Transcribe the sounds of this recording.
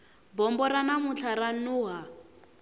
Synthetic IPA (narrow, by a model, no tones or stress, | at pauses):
bɔmbɔɾanamut͡ɬʰaɾanuːɦa